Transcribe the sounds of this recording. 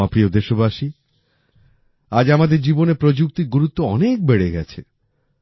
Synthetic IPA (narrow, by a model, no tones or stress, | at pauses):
apɾiod̪eʃobaʃi | ad͡ʑamad̪eɾd͡ʑibonepɾod͡ʑuk̚t̪iɾɡuɾut̪ːoɔnek̚beɽeɡɛ̰t͡ɕʰe